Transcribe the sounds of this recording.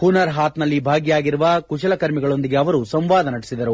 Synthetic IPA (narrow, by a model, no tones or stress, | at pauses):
kunɐɾɦaːt̪nɐlːibʱaːɡjaːɡiɾuʋɐkuʃɐlɐkɐɾmiɡɐɭo̞nd̪iɡeɐʋɐɾusɐmʋaːd̪ɐnɐɽi̥sid̪ɐɾu